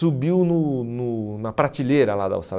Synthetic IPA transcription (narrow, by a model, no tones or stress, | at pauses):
ubiwnʊnʊnɐpɾat͡ʃileɾɐla̰d̪ɐ̰ʊst̪al